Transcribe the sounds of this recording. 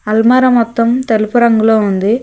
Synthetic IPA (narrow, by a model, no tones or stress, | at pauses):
ɐlmɐːɾɐmɔt̪ːɐmt̪elupuɾɐŋɡuloːund̪i